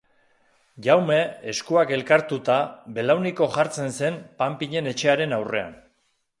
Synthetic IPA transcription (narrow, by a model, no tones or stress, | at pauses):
ʝawme̞ːskuake̞lkaɾt̪ut̪abe̞lawniko̞ʝaɾt͡se̞nse̞mpampiɲe̞ne̞t͡ʃe̞aɾe̞nawre̞a̰n